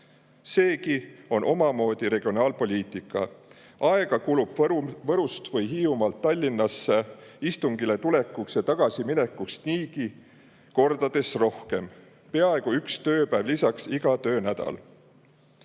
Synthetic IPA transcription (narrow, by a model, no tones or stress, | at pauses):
se̞ːkio̞nʔo̞mɑmo̞ːd̪iɾe̞ɡ̥io̞nɑːlpo̞lʲiːt̪ˑikːˑɑ̰ | ʔɑeɡ̥ɑkulub̥vɤɾust̪vɤjɦiːumɑlt̪ːɑlʲːinːɑsːeist̪uŋɡ̥ile̞t̪ule̞kːˑukset̪ɑɡ̥ɑsimine̞kːˑuksniːki | ko̞rd̪̥ɑd̪̥e̞sro̞hke̞m | pe̞ɑe̞ɡ̥uykst̪ø̞ːpæːvlisɑksiɡ̥ɑt̪ø̞ːnæd̪̥ɑ̰l